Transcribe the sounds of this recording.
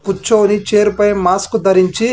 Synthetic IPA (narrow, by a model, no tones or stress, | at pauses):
put͡ʃːoːnit͡ʃeːɾupɐjmaːskud̪ɐɾiɲt͡ʃi